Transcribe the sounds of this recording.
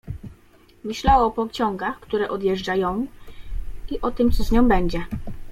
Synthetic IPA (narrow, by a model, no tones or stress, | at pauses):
mɘɕlawɔɔpɔkt͡ɕɔŋɡaxkt̪uɾɛʔɔd̪ʲjɛʐd͡ʐajɔ̃w̃ | iʔɔt̪ɘmt̪sɔzɲɔ̃w̃bɛɲd͡ʑɛ